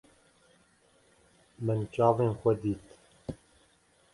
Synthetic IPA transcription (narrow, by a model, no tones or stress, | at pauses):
mɨnt͡ʃɑːveːnxʷɛd̪iːt̪